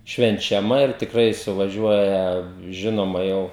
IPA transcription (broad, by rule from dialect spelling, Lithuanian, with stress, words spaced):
ʃʲʋʲɛnʲt͡ʃʲɛˈmɐ ɪr tʲɪkˈrɐɪ sʊʋɐˈʒʲuɔjɛ ˈʒʲɪnoːmɐ ˈjɛʊ